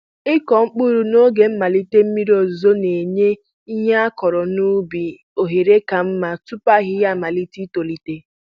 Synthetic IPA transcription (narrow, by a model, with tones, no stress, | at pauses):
ɪ˦kɔ˨ŋ͡m̩˦k͡pu˦ɾu˨no˦ɡe˨m̩˦ma˨li˦te˦m̩˦mi˦ɾo˨zo˦ne˨ɲe˦ | i˦ɦe˦a˦kɔ˨ɾɔ˨nu˦bi˨ | o˨ɦe˨ɾe˦ka˨m̩˦ma˦tu˦pa˦ɣɪ˦ja˦˨ma˨li˦ti˦to˨li˨te˦